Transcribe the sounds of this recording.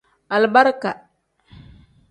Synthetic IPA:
a˨lba˦ɾka˨

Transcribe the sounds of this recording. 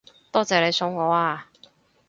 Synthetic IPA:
t̪ɔː˥t͡sɛː˨˧le˨˧jsʊ˧ŋŋɔː˨˧˥aː˧

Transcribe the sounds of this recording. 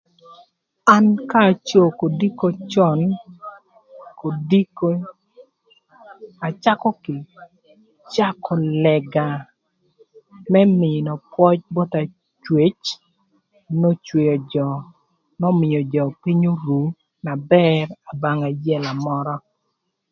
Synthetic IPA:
a˦nkaː˦˨t͡ʃo˦ko˨di˦ko˦t͡ʃɔ˦n | ko˨di˦k | a˨t͡ʃa˦kɔ˦kɪ˨ | t͡ʃa˦kʰɔ˨lɛ˨ɡa˨ | mɛ˦mɪ˨nɔ˨pwɔ˦t͡ʃ̚bɔ˦ta˨ | t͡ʃwe˨t͡ʃ | no˦t͡ʃwe˨jo˨d͡ʒɔ˨ | nɔ˦mɪ˨jɔ˨d͡ʒɔ˨pi˦ɲo˦ɾu˨ | na˨bɛ˦ra˨ba˨ŋa˨jɛ˦la˨mɔ˦ɾɔ˦

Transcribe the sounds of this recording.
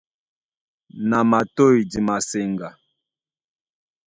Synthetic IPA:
na˨ma˨to˦˨i˨di˨ma˨se˨ŋɡa˨

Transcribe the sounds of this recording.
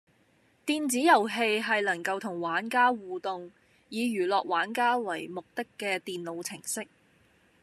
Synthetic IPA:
t̪iː˨˧nt͡siː˨˥jɐ˨˩wɦe˧jɦɐ˨jlɐ˨˩ŋkɐ˧wt̪ʰʊ˨˩ŋwaː˨˥nkaː˥wuː˨t̪ʊ˨ŋ | jiː˨˧jyː˨˩lɔː˨k̚waː˨˥nkaː˥wɐ˨˩jmʊ˨k̚t̪ɪ˥kːɛː˧t̪iː˨nlo˨˧wt͡sʰɪ˨˩ŋsɪ˥k̚

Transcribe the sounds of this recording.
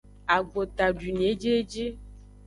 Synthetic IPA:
a˨ɡ͡bo˨t̪a˨ɖi˨n˨e˨˦d͡ʒe˦d͡ʒi˦

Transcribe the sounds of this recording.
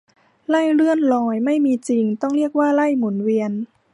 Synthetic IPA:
la˥˩jlɯ˥˩ənlɔː˧˩jma˥˩jmiː˧t͡ɕi˧ŋt̪ɔ˥˩ŋli˥˩ək̚waː˥˩la˥˩jmu˩˦nwi˧ən

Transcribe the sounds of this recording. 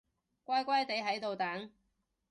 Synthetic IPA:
kʷaː˥jkʷɐ˥jt̪e˨˥jɦɐ˨˥jt̪o˨wt̪aː˨˥ŋ

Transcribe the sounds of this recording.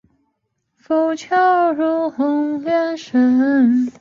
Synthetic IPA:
fo˧˩ʊt͡ɕʰjɑ˥ɻu˧˥xʊ˧˥ŋlɥɛ˥˧nʂə˧˥n

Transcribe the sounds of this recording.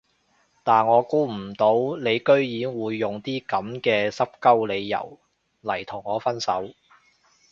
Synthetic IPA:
t̪aː˨nŋɔː˨˧kuː˥m̩˨˩t̪o˨˥wle˨˧jkɵ˥ɥjiː˨˥ŋwuː˨˧jːʊ˨ŋt̪iː˥kɐ˨˧˥mkɛː˧sɐ˥p̚kɐ˥wle˨˧jːɐ̰˨˩w | lɐ˨˩jt̪ʰʊ˨˩ŋːɔː˨˧fɐ˥nsɐ˨˥w

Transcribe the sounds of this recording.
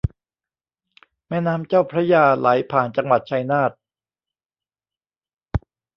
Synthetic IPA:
mɛː˥˩naː˦˥mt͡ɕaː˥˩wpʰɾa˦˥jaː˧la˩˦jpʰaː˨˩nt͡ɕa˧ŋwa˨˩t̪̚t͡ɕʰa˧jnaː˥˩t̪̚

